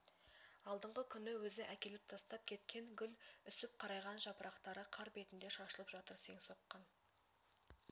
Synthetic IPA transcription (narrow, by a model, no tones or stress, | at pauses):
ɑlˠd̪əɴʁəkʲʰʏnɪwɵzɪʔækʲe̞lɪp̚t̪ʰɑst̪ɑp̚kʲʰe̞t̪kʲe̞ŋɡʲʏlʏsɪp̚qʰɑɾɑjʁɑnʒɑpəɾʔɑqt̪ɑɾəqʰɑɾbe̞t̪ɪnd̪e̞ʃɑʃəlˠəpʒɑt̪əɾse̞ŋso̞qːɑn